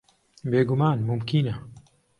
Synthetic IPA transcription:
beːɡumaːnmʊmkina

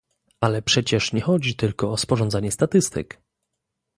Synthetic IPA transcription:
alɛpʂɛt͡ɕɛʂɲɛxɔd͡ʑit̪ɘlkɔːspɔʐɔ̃nd̪zaɲɛst̪at̪ɘst̪ɘ̰k

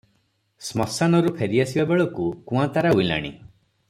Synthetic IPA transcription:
smɔsanɔɾupʰeɾiasibabeɭɔkukũãt̪aɾaujla̰ɽ̃ḭ

